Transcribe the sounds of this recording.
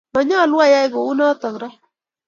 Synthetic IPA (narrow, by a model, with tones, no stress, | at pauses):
mɔ˨ɲɔ˦lwa˦ja˦ɪ˦ɡɔ˨u˦nɔ˦t̪ɔ˨ŋ˨ɾɔ˦